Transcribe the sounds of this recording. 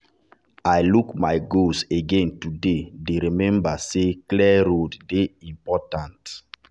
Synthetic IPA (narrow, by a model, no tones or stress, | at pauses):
ajlukmajɡoseɡẽntudedeɾimɛ̃mbaseklɛɹoddeĩmpɔtãnt